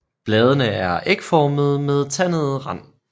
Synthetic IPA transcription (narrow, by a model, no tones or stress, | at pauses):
b̥lɛːð̞ˠənəæɐʔeɡ̥fɒːməð̞̩ˠmeð̞ˠt͡sʰænəð̞ˠʁɑn̰